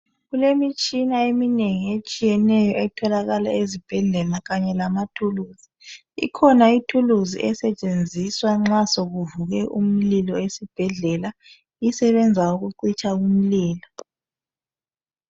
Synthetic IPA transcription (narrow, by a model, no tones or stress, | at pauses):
ɣulemit͡ʃʼinaemineŋiet͡ʃʼijɛnɛjɔɛtʰɔlaɣala̰ezib̥ʱɛɮɛlaɣaɲɛlamatʰuluzi | ḭkʰɔnaitʰuluzḭʔɛsɛt͡ʃʼend͡zʱiswaŋ͡ǁasoɣuvuɣɛʔum̩lilɔesib̥ʱɛɮɛla | isɛβɛnd͡zʱauɣuǃit͡ʃʼaum̩liːlɔ